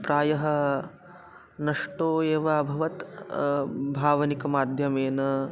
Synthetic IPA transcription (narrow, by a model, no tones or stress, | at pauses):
pɾaːjɐɦɐ̆ | nɐʂʈoːeːʋaːbʱɐʋɐt̪ | bʱaːʋɐnikɐmaːd̪ʱjɐmeːnɐ